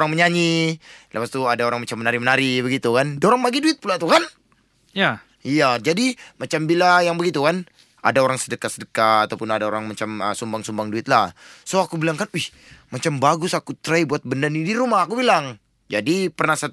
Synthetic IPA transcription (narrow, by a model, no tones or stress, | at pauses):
oɾaŋməɲaɲilawast̪uadaoɾaŋmat͡ʃamːənaɾimənaɾibəɡit̪ukandoɾaŋpaɡiduɪt̪̚pulat̪ukan | ja | ijad͡ʒadimat͡ʃambilajaŋbəɡit̪ukan | a̰daoɾaŋsədəkasədəkaːt̪awpʊnadaoɾaŋmat͡ʃaməsumbaŋsumbaŋduɪt̪̚lahsoakubilaŋkanih | mat͡ʃambaɡʊsakut̪ɾaibuat̪̚bəndanidiɾumahakubilaŋ | d͡ʒadipərnahsa